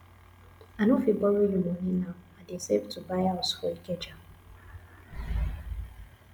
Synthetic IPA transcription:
anofibɔɾojunoninaʊadisevtubaɪaʊsfɔiked͡ʒa

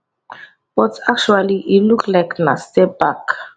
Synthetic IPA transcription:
b̥ɔtak̚t͡ʃualiʔiluklaɪknastɛbak

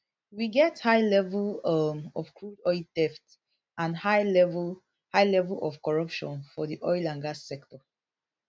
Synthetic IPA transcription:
wiɡɛthaɪlɛvlʌmɔv̥kʰɹudɔɪltɛft | ãnhaɪlɛv | haɪlɛvəlʔɔfkɔɹʌpʃɔ̰̃nfɔðiʔɔɪlãŋɡasɛktɔ

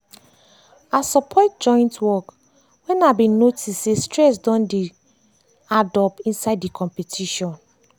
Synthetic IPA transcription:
asɔpʰɔt̚d͡ʒɔ̃ɪ̃ntwɔk | wɛ̃nabĩnnotʰissestɹɛs̬dɔ̃ndi | adɔpĩnsaɪddikʰɔ̃mpɛtʰiʃɔ̃n

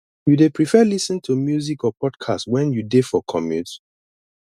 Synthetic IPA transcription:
judepɹifɛlisə̃ntʰumjuzikɔpʰɔdkʰa̰stwɛ̃njudefɔkʰɔmjuds

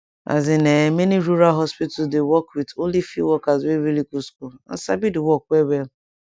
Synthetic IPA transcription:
a̰zɪnemeniɾuɾalɦɔspitsdewɔkɾitolifiwɔkazweɾilikuskua̰sabidɪwɔkʷwewe

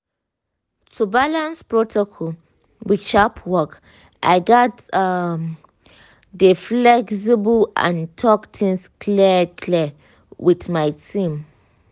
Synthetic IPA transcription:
tʰubalãnspɹotʰokʰɔl | wit͡ʃapʰwɔk | ʔa̰ɪɡɔtam | dəflɛks̬ibəlã̰ntʰɔktʰĩŋskʰlɛkʰlɛ | witmajtʰĩm

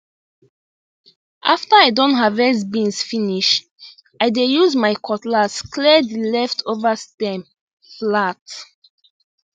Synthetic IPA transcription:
ʔaftəajdɔ̃ntɦavɛs̬bĩnsfiniʃ | ajdejuzmajkʰɔtlaskʰlɛdilɛftʰovəstɛ̃m | flat

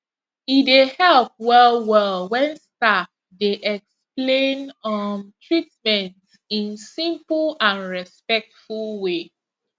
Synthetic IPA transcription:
idehɛlp̚wɛlwɛlwɛ̃nstak | deʔɛksplẽnɔmtʰɹit̚mɛ̃nt | ĩnsĩmpl̩ãnɹɛspɛk̚tfulˠwe

